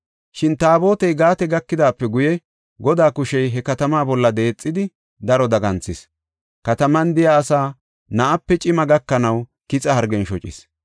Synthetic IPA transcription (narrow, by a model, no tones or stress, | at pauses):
ʃɪnt̪aːbo̞ːt̪ɛjɡaːt̪ɛɡɐkːɪd̪aːpːɛɡʊjɛ | ɡɔd̪aːkʊʃɛjɦɛkɐt̪ɐmaːbɔlːɐd̪e̞ːt͡sʼːɪd̪ɪ | d̪ɐɾɔd̪ɐɡɐnt͡sːɪs | kɐt̪ɐmɐnd̪ɪjaːsaː | nɐʔɐpːɛt͡ʃʼɪmɐɡɐkːɐnɐw | kɪt͡sʼɐhɐɾɡɛnʃɔt͡ʃʼɪ̰s